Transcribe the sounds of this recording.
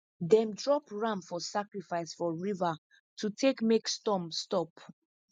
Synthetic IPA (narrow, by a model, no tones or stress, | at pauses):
dɛ̃mdɹɔpɹãmfɔsakɹifaɪsfɔɹiva | tʰutʰekmekstɔmstɔp